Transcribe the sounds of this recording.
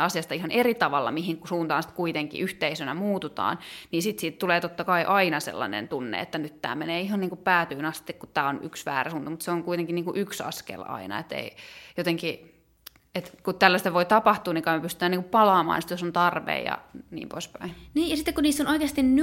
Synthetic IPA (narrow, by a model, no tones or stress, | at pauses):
ɑsijɑst̪ɑihɑnerit̪ɑʋɑlːɑ̰mihiŋkusuːnt̪ɑːnsi̥t̪kuit̪eŋkḭʔyht̪eisønæmuːt̪ut̪ɑ̰ːnniːnsit̪siːt̪t̪uleːt̪ot̪ːɑkɑiʔɑinɑsḛlːɑ̰nḛnt̪unːḛḛt̪ːænyt̪t̪æ̰ːmeneːiɦɑnniːŋkupæːt̪yːnɑst̪ikkutt̪ːæːony̰ksʋæ̰ːræsunt̪ɑmut̪seoŋkuit̪eŋkinniːŋkuʔyksɑ̰skḛlɑ̰inɑ̰et̪ḛijot̪eŋki | et̪kut̪t̪ælːæst̪æʋoit̪ɑpɑht̪uːniŋkɑmepyst̪yt̪æːniŋkuppɑlɑːmɑ̰ːnsi̥t̪josont̪ɑrʋḛijɑ̰nḭːmpo̰ispæiniːjɑsit̪ːekuniːsːonoikeːst̪inn